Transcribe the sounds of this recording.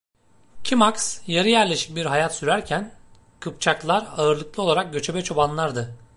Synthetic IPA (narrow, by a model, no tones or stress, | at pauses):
cʰimaksjaɾɯjæɾlʲe̞ʃi̥c̚biɾɦajat̪syɾæɾcʰæn | kʰɯp̚t͡ʃʰaklˠaɾaɯɾlˠɯklˠɯolˠaɾak̚ɟø̞t͡ʃʰe̞bɛt͡ʃʰo̞banlˠaɾd̪ɯ